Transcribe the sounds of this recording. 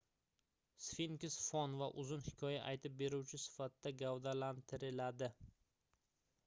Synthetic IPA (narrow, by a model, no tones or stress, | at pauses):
sfiŋkʲɪsfɒnvaʔʊzɪnhɪ̥kʰʲɒjaʔajt̪ʰɪp̚be̞ɾuwt͡ʃʰɪsɪ̥fat̪d̪aɡavd̪alant̪ʰɪɾɪlad̪ɪ